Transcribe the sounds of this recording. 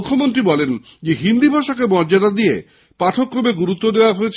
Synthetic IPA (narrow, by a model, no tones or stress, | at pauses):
kʰːomont̪ɾibɔlen | d͡ʑeɦind̪ibʱaʃakemɔɾd͡ʑad̪ad̪ije | paʈʰokːɾomeɡuɾut̪ːod̪eoaɦojet͡ɕʰ